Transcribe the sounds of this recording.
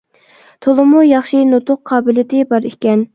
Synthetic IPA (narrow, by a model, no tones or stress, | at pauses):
t̪ʰolˠɨmujɑχʃinot̪ʰʊqʰːɑːbɪlɪt̪ʰɪbɑɾikʲɛn